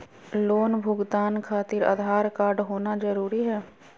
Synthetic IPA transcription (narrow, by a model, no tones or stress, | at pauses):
loːnbʱʊɡt̪aːnkʰaːt̪ɪɾa̰d̪ʱaːɾkaːɾɖɦoːnazəɾuːɾiɦɛː